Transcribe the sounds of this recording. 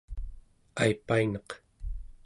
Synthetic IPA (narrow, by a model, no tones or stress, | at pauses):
ajpainɑq